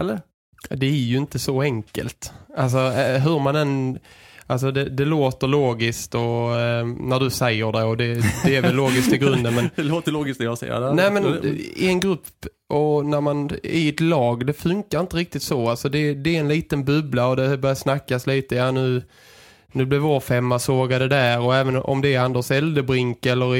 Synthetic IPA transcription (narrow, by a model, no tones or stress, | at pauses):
ɛlːə | d̪ɛæɾjɵɪnt̪əsɔɛŋkə̰lt̪als̬ɔɦɵɾmanɛnʔals̬ɔd̪ɛd̪ɛloːt̪əɭoːɡɪskt̪ɔ | næɖɵsɛjːəɖɛjɔd̪ɛd̪ɛæɾvvɛlːoːɡɪskt̪ɪɡɾɵnd̪ənmɛnɛloːt̪əloːɡɪsk̚d̪ɛjɑsɛ̰ə̰nɛːmɛnɪɛnɡɾɵpː | ʔɔnæɾmanɪɛt̪lɑːɡd̪ɛfɵŋkaɾɪnt̪əɾɪk̚t̪ɪt̪sɔalsɔd̪ɛd̪ɛɛnliːt̪ənbɵblaɔd̪ɛbœɾjasnakːasliːt̪əjaːnʉ̟ː | nʉ̟ːblɪvoːfɛmːasoːɡad̪ɛd̪æɾɔɛːvənɔ̰md̪ɛːand̪əʂɛld̪əbɾɪŋkɛlːəɾ